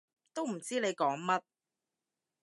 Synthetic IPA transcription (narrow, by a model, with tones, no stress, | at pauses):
t̪o˥wm̩˨˩t͡siː˥ne˨˧jkɔː˨˥ŋmɐ˥t̚